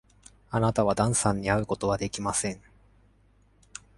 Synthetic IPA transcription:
anat̪aβad̪ãɰ̃sãɲ̟ːiaɯ̟ko̞t̪o̞β̞ad̪e̞kʲimasẽ̞ŋ

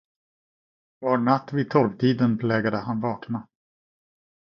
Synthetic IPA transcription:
vaɳat̪ːvɪːd̪̚t̪ʰɔlvt̪ʰiːd̪ənpʰlɛːɡad̪əhanvɑːkna

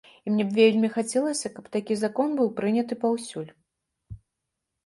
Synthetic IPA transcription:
imnʲɛbvʲelʲmʲixat͡sʲɛlˠɐsʲɐkɐpt̪akʲizakɔnbɨwpɾɨnʲɐt̪ɨpawsʲulʲ

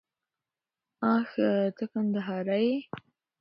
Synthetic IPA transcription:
ɑ̃xt̪əkand̪aɦɑɾaje

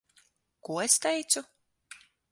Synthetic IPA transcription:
kuɔest̪ɛjt̪su

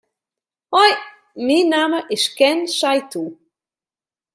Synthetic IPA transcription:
hɔj | minaməʔɪskɛnsajt̪u

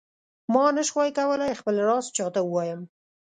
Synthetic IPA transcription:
mɑnəʃxwɑjkawəlajxpəlɾɑst͡ʃɑt̪auwɑjəm

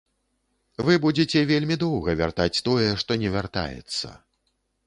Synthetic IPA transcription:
vɨbud͡zʲet͡sʲɛvʲelʲmʲid̪ɔwɣɐvʲa̰rt̪at͡sʲt̪ɔjɛʂt̪ɔnʲɛvʲart̪a̰jɛ̰t̪sːɐ̰

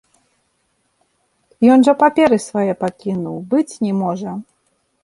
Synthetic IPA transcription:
jɔnʐɐpapʲɛɾɨsvajɛpakʲinuwbɨt͡sʲnʲɛmɔʐɐ

